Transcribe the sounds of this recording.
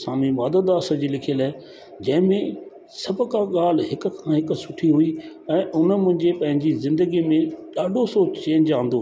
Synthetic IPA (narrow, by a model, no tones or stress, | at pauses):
saːmimaːd̪əd̪aːsə̆d͡ʑilɪkʰijəlaːe | d͡ʑɐ̃ɦɪ̃mẽ | sɐbʱkãɠaːl̤ɦɪkʊ̆kʰãːɦɪksʊʈʰiɦui | ɛ̃ːʔʊnəmʊ̃ɦɪ̃ɲd͡ʑepɐ̃ɦɪ̃ɲd͡ʑizɪ̃nd̪əɡimẽɗaːɖʱosoːt͡ɕt͡ɕẽːɲd͡ʑãːn̆d̪oː